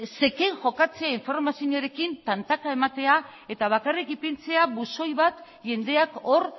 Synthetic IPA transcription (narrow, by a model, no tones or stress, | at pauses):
se̞ke̞ŋʝo̞kat͡se̞aiɱfo̞ɾmasiɲoɾe̞kint̪ant̪akae̞mat̪e̞ae̞t̪aβ̞akarikipint͡se̞aβuso̞jβat̪ | ʝe̞nd̪e̞ako̞ɾ